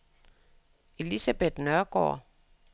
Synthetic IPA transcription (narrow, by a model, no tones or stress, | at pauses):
ʔe̝lisæb̥e̝d̥nœɐɡ̥ɒ̰ː